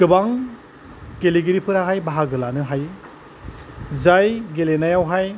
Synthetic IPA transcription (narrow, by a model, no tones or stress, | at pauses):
kɯbaŋ | ɡeliɡiɾipʰɯɾaɦajbaɦaɡɯlanɯɦaj | zajɡelenajawɦaj